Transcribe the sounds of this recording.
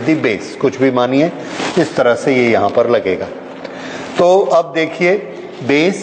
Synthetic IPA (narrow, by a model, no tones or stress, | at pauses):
d̪ibeːskʊt͡ʃʰbʱimaːniɦɛ̃ | ɪst̪ɐɾəɦsejejɐɦãpɐɾlɐɡeːɡaː | t̪oːɐb̚d̪eːkʰie | beːs